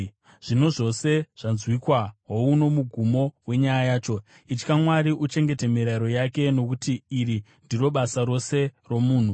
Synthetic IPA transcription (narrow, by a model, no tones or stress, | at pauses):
ʐ̥ino̞ʐo̞se̞ʐ̥anzwikwaɦouno̞muɡʱumo̞we̞ɲajajaːt͡ʃo̞ | it͡ʃkamwaɾiʔut͡ʃe̞ŋɡe̞temiɾaɾo̞jake̞no̞kutiːri | ndiro̞ɓasaɾo̞se̞ro̞muːn̤u